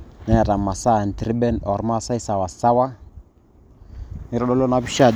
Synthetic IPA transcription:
na˦ja˨ɾa˨ma˨sa˦˨n˨tɾi˦ɓɛ˦nɔ˨ɾma˦˨sa˦i˦sa˨wa˨sa˦wa˦ | ni˦ɾɔ˦ɗɔ˦lɔ˦na˦bi˦ʃa˦˨

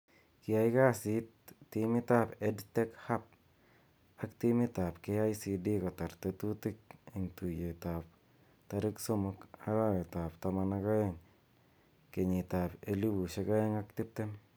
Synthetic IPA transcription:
ki˨a˦jka˦si˦tː | imɪ˦t̪a˦pedt̪e˦kha˦p̚ | akt̪i˦mi˦t̪a˨pkea˦jsi˧di˦ka˨t̪a˨ɾt̪et̪u˦t̪ɪ˦k̚ɪ˨ŋt̪u˨je˨t̪a˨p̚ | t̪aɾɪ˦kso˦mʊka̰˦ɾa˦we˨t̪a˨pt̪ama˧naka˦jeŋ | ke˨ɲi˨t̪a˨peli˦bu˨se˦ka˦e˦ŋakt̪ɪ˦p̚t̪e˦n

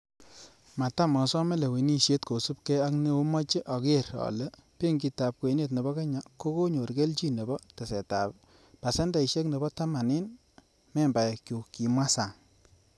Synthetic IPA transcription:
ma˨ta˦mɔ˨sɔ˦me˦le˨we˨ni˦ʃe˦tko˨su˦pkɛ˦a˦kne˦o˦mɔ˦t͡ʃe˦ʔɔ˨ke˦ɾɔ̰˨le˦pe˦ŋɡi˧ta˨p̚kwe˨˦ne˦t̬ne˨bɔ˦ke˦ɲa˨ko˦ko˦ɲo˨ɾɡe˦lt͡ʃi˦ne˨bɔ˦te˨se˨ta˨p | pa˨se˦nda˦˨i˨ʃe˦kne˨bɔ˦ta˦ma˨nɪ˦n | mɛ˦mba˨jkjo˨ki˨mwa˦sa˨ŋ

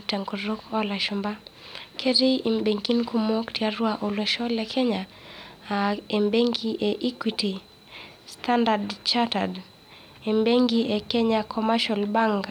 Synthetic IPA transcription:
tɛ˨ŋɡɔɾokɔ˦la˨ʃʊmba˦kʰe˦ɾi˦i˨mbe˨ŋki˦nku˦mɔ˦ktiaɾwaʔo˨lɛ˨ʃɔ˦lɛkʰɛ˦ɲa | e˨mbe˦ŋɡi˦ʔe˨ʔi˦kwiti˨ | stʰandadt͡ʃata̰d | e˨mbe˦ŋɡiʔe˨kɛ˦ɲakʰɔmaʃɔlba˦ŋɡa

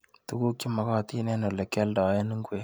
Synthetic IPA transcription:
tu˦ɡu˦kːi˦ma˨kɔ˦˨ti˦nɛ˦no˨lɛ˨kɛ˦ldɔ˨˦je˦ni˦ŋɡwe˦

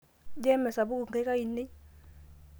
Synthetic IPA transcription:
d͡ʒɛ˦mɛ˨sa˨bu˦ku˨ŋ˨ɡe˦ka˦i˨ne˦

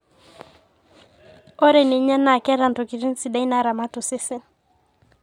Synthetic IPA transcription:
ɔ˦ɾɛ˨ni˨ɲɛ˦na˨kɛ˦ɾa˨ntɔ˨ki˨ɾi˦n̩˦si˨ɗa˦i˦na˨ɾa˨ma˦tu˨sɪ˦sɪ˦n

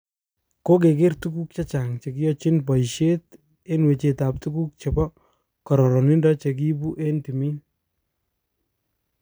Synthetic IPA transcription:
ko˦k̬e˨k̬ɪ˦rtuku˦k̚t͡ʃa˦t͡ʃa˨ŋt͡ʃe˨ki˦jɔ˦t͡ʃɪ˦npɔ˨i˨ʃe˦t | e˦nwe˨t͡ʃe˨ta˨p̚tu˦ku˦k̚t͡ʃe˨bɔ˦ | kɔ˨ɾɔ˨ɾɔ˨ni˦ndɔ˦t͡ʃe˨k̬i˦bu˦ʔe˦nti˨mi˦n

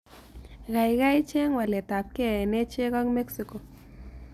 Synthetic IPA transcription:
ɣa˨jɣa˦jt͡ʃe˦ŋwa˨le˨t̪a˨p̚ke˦˨ne˦t͡ʃe˦ɣa˦ŋme˦ksiko˨

